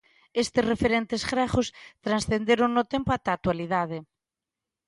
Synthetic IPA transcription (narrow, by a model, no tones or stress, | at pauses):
est̪ɪsrefeɾent̪esɣɾaxost̪ɾansθend̪eɾoŋnot̪empoat̪aːt̪waliðað̞ɪ